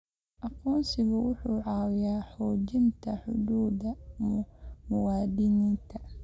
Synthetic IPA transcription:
ʔɑqɔːnsɪɣʊwʊħuːʕɑːwɪjaːħɔːd͡ʒɪnt̪ʰɐħʊ̰d̪uːd̪ɐmmʊwaːd̪ɪnɪnt̪ʰɐ

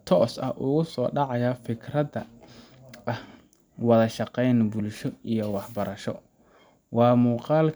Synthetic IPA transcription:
t̪ʰɔːsɐ̰hʔʊɣʊsɔːɖɑʕɑjɐfɪkʰrɐdɐ | ʔɐh | wɑðɐʃɑqɛjnbʊlʃɔijɔwɑħbɐɾɐʃɔ̰ | wɑːmuːqɑːl

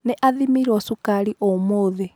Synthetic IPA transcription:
nɛʔaðimiɾɔsukaliʔɔmoðɛ

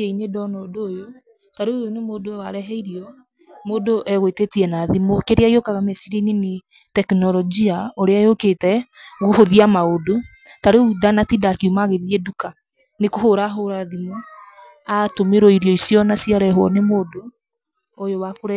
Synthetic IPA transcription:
ɛinedɔnɔdoːjo | taɾeojonemoːdowaɾɛɦɛiɾiɔ | moːdoʔɛɣwetetiɛnaðimokeɾeaiokaɣamesiɾinini | tɛknɔlɔd͡ʒiaoɾeajoketɛɣohoðiamaodo | taɾeudanatidakiumaɣeðiɛduka | nekoɦoɾaɦoɾaðimo | atomeɾɔiɾiɔisjɔnasiaɾɛɦwɔnemodoː | jowakoɾɛ

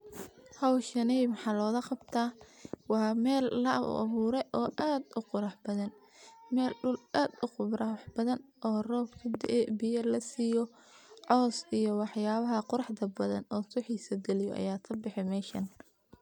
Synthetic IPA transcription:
hɐwʃɐnɛjmɑħɑːlɔːɣɐqɑbt̪ʰaːwɑːmɛːlːɐ̰ʔβuːɾɛʔɔːʔaːd̪ʊqʊɾɑħbɐðɐn | mɛːlɗʊlʔaːd̪ʊqʊɾɑħb̥ɐðɐnʔɔːrɔːbkʰɐd̪ɛbɪjɐlɐsiːjɔ | ʕɔːsijɔwɑħjaːβɐɦɐqʊɾɑħd̪ɐbɐðɐ̰nɔːsʊħiːsɐd̪ɛlɪjɔ̰ʔɐ̰jaːt̪ʰɐbɪħɛmɛːʃɐn

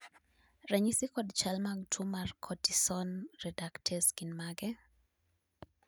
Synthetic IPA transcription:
ɾɛɲisikɔdt͡ʃalmaɡtʰumarkʰɔtisɔnɾɛdaktʰɛskinmaɡɛ

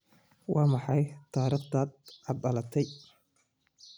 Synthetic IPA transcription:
wʔɑːmɑħɑjt̪ʰaːɾift̪ʰaːd̪̚ʕɑd̪ɐlɐt̪ʰɛj

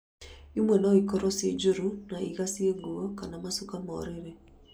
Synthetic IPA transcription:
imwɛnɔikɔɾɔsḛd͡ʒuɾunaiɣasieɡuɔkanamasukamɔ̰ːɾeɾe

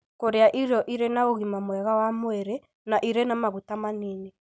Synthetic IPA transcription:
koɾeaʔiɾjɔʔiɾenaoɣimamwɛɣawamoɛɾe | naʔiɾenamaɣutamaniːne

